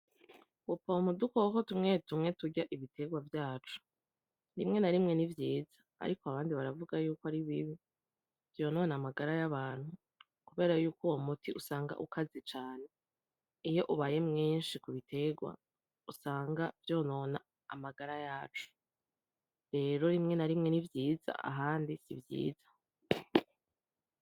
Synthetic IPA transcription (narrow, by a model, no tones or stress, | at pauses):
wopomudukoko̞tumŋe̞tumŋe̞tuɟaʔiβitʰe̞ɡwavjaːt͡ʃu̥ | nimŋe̞naɾimŋe̞nivjiːzḁ̰ːɾikoaβaːndiβaɾavuɡajuːkoaɾiβiβi | vjo̞ːno̞ːnamaɡaɾajaβaːn̥hu | kuβe̞ːɾajuːkuwomutʰiʔusaːŋɡa̰ʔukazit͡ʃaːne̞ | ijo̞ʔuβaːje̞mŋiːnʃikuβitʰe̞ɡwa̰ | usaːŋɡavjo̞ːno̞na̰ː | maɡaɾajaːt͡ʃu̥ | ɾe̞ːɾo̞ɾimŋe̞naɾimŋe̞nivjiːza̰ʔa̰ɦaːndisivjḭːz̥ḁ